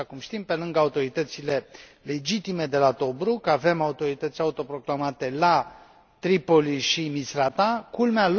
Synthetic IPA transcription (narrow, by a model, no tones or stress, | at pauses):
akumʃt̪impe̞lɨŋɡaut̪o̞ɾit̪ət̪sile̞ | le̞d͡ʒit̪ime̞d̪e̞lat̪o̞bɾukəave̞maut̪o̞ɾit̪ət̪sʲaut̪o̞pɾo̞klamat̪e̞la | t̪ɾipo̞liʃimisɾat̪akulmeal